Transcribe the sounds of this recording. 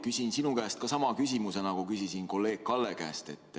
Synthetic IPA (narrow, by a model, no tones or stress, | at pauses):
kysʲinsinukæːst̪̚kɑsɑmɑkysʲimuse̞nɑkukysisinko̞lːe̞ːɡ̥̚kɑlːe̞kæ̰ːst̪e̞̰t̪ːˑ